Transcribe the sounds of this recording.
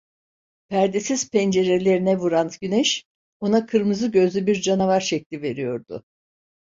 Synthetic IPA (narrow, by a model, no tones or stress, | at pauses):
pʰæɾd̪esiz̥pʰɛnd͡ʒe̞ɾe̞lʲe̞ɾinɛvuɾant̪ɟynɛʃ | o̞nakʰɯɾmɯzɯɟø̞zlʲybiɾd͡ʒanavaɾʃɛc̚lʲive̞ɾijo̞ɾd̪ʊ̰